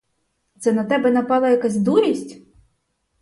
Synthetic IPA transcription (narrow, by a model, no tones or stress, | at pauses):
t̪sɛnɐt̪ɛbɛnɐpɑlˠɐjɐkazʲd̪uɾʲisʲtʲ